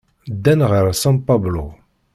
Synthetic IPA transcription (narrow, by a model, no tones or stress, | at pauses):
d̪ːænʁəɾsɑ̃mpablo